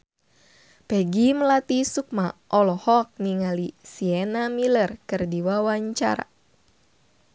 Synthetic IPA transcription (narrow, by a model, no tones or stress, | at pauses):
pɛɡiməlat̪isuk̚maʔɔlɔhɔk̚niŋalisiɛnamilərkɨrdiwawaɲt͡ʃa̰ɾa̰